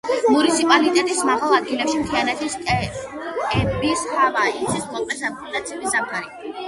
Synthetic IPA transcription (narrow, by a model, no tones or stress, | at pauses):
munit̪sʰipʼalit̪ʼɛt̪ʼismaʁalˠad̪ɡilɛpʃimt̪ʰianɛt̪ʰisʼ | kʼɛbishavait̪ʰiskʰʼɔlˠqʼɛsampʰɔnat̪sʰiulisap̚t̪ʰaɾi